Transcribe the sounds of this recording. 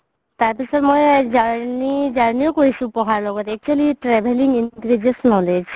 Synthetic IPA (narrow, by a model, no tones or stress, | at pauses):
t̪aɾpit͡ʃʰɔt̪mojd͡ʒanid͡ʒanijokɔɾisũpɔɦaɾlɔɡɔt̪ɛk̚t͡ʃualiʈɾɛbʱeliŋɡintɾid͡ʒesnɔ̃d̪et͡ʃ